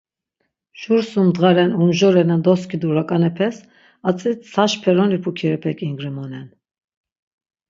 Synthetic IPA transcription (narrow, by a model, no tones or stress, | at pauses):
ʃuɾsumd̪ʁaɾɛnumʒɔɾɛnand̪ɔskʰid̪uɾakʼanɛpʰɛs | at͡sʼit͡ssʰaʃpʰɛɾɔnipʰukʰiɾɛpʰɛkʼiŋɡɾimɔnɛn